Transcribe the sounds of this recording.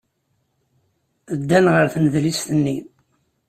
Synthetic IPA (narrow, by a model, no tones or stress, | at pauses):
əd̪ːænʁəɾθnəðlist̪ənːi